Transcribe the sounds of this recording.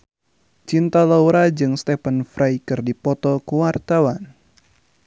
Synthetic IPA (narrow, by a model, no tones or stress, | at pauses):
t͡ʃint̪alauɾad͡ʒɨŋst̪ɛpənfɾʔajkɨrdipɔt̪ɔkuwart̪awan